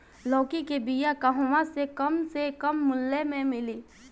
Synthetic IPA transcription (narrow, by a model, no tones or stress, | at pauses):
lɔːkikebijakɐɦʊmasekɐmsekɐmːʊlːemẽmɪliː